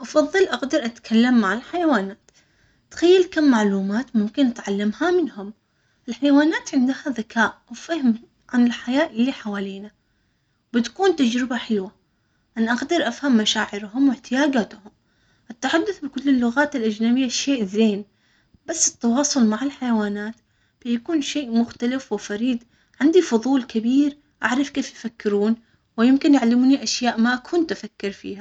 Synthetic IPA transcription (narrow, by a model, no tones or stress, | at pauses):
ʔɑfɑðˤːɨlʔaɡd̪ɑɾˤʔat̪kʰalːamːaʕalħajawaːnaːt̪ | t̪xajːalkamːaʕluːmaːt̪mʊmkɪnʔat̪ʕalːamhamɪnhʊm | ʔɪlħajawaːnaːt̪ʕɪnd̪haðakʰaːʔwfahɪm | ʕanɪlħajaːʔɪlːiħawaːliːna | bɪt̪kuːnt̪ad͡ʒɾɪbaħɪlwa | ʔanaʔaɡd̪ɑɾˤʔafhamːaʃaːʕɪɾɦʊmwɪħt̪ʰɪjaːɡaːt̪hʊm | ʔat̪ːaħad̪ːʊθbɪkʊlːɪlːʊɣaːt̪ɪlʔad͡ʒnaːmɪjːaʃeːʔzeːn | b̥asːɪ̥t̪ːɑwɑːsˤʊlmaʕɪlħajawaːnaːt̪ | b̥ɪjakuːnʃeːʔmʊxt̪alɪfwɪfɑɾiːd̪ | ʕɪnd̪ifʊðˤuːlkɪbiːɾ | ʔaʕɾˤɑfkeːfjɪfakːɪɾuːn | wɪjɪmkɪnjaʕlɪmuːniʔaʃjaːʔmaʔakʰʊnt̪ʔafakːɪɾfḭːha